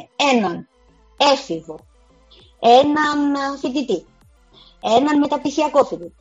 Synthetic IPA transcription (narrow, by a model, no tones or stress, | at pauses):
enɐn | efivo | enɐnfit̪it̪i | enɐnmet̪ɐpisiɐkofit̪it̪i̥